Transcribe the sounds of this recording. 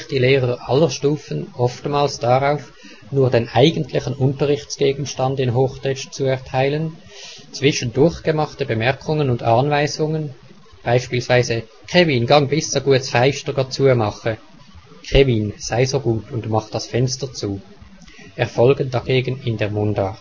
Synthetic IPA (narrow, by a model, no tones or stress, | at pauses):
xd̥iːleːʁəʁʔɑlːəʃtuːfənʔɔftmaːlsd̥aʁaʊf | nuːɐdeːnʔaɪɡəntʰlɪçənʔʊntəʁɪxt͡sɡ̥eːɡn̩ʃtɑndɪnɦoːxtʰɛʃt͡suɛɐtʰaɪlən | t͡sv̥ɪʃəndʊɐçɡ̥əmɑχtəbəmɛɐkʰʊŋənʊndɑːnvaɪzʊŋən | b̥aɪʃpiːlsv̥aɪzə | kʁ̥emiːnɡɑŋbɪst͡soɡuət͡sfaɪʃtəɡɑt͡suːəmɑχə | kʁemiːnz̥aɪzoːɡuːtʰʊndmɑχt̚d̥ɑsfɛnstət͡suː | ɛɐfɔlɡənd̥aɡ̥eːɡən̩ɪndeːɐmʊndaːt